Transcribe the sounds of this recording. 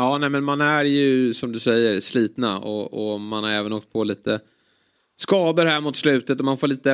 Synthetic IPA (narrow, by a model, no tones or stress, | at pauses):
ɑːnɛmɛnmanæɾjɵsɔmd̪ɵsɛjːəɾsliːt̪naɔ̰ɔmanhaɾɛːvənɔːk̚t̪̚pʰɔliːt̪ə | skɑːd̪əɾhæɾmʊt̪slʉ̟ːt̪ət̪ɔmanfoːɭiːt̪ə